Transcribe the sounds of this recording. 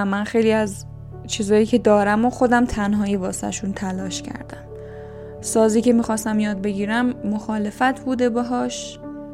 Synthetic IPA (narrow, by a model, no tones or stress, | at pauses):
mːænxejliːæz | t͡ʃʰizɒːjiːcʰe̞d̪ɒːɾæmoxo̞d̪æmt̪ʰænɦɒːjevɒːseæ̰ʃunt̪ʰælɒːʃcʰæ̰ɾd̪æm | sɒːziːce̞miːxɒːst̪æmjɒːd̪̚be̞ɟiːɾæmːoxɒːle̞fæt̪ʰbuːd̪e̞beɦɒːʃ